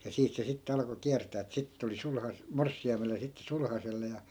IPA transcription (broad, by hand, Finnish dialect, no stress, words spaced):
jɑ siːt se sitːe ɑlɑ̆ko kiærtæː etːæ sitːĕ tuli sulhɑs morsːiɑimele jɑ sitːe sulhɑselːe jɑ